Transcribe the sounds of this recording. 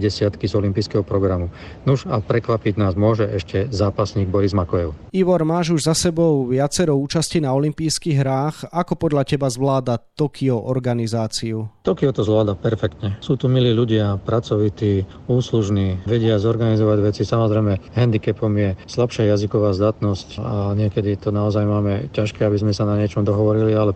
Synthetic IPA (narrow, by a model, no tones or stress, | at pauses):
ɟɛsɪat̪kizɔlimpiːskɛɦɔpɾɔɡɾamunuʒapɾɛkʋapiɟnaːzmʊɔʒɛʔɛʃcɛzaːpasɲiːɡ̚bɔɾizmakɔjɛʊiʋɔɾmaːʒuʒzasɛbɔʊʋɪat͡sɛɾɔuːt͡ʃascinaɔlimpiːskiɣɦɾaːxakɔpɔd̪ʎacɛbazʋlaːd̪at̪ɔkʰiɔʔɔɾɡanizaːt͡siut̪ɔkiɔt̪ɔzʋlaːd̪apɛɾfɛkt̪ɲɛsuːt̪umiliːʎuɟɪapɾat͡sɔʋit̪iː | uːsluʒniːʋɛɟɪazɔɾɡanizɔʋaɟʋɛt͡sisamɔzɾɛjmɛɦɛnd̪ikɛpɔmjɛslapʃɪajazikɔʋaːzd̪at̪nɔscaɲɪɛkɛd̪it̪ɔnaɔzajmaːmɛcaʃkɛːabizmɛsanaɲɪɛt͡ʃɔmd̪ɔɦɔʋɔɾilialɛ